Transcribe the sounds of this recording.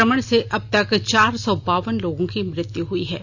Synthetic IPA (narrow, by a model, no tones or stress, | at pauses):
əməɽ̃seʔɐb̚t̪ɐkt͡ʃaːɾsɔːbaːʋənloːɡõkimɾɪt̪juɦuiɦɛː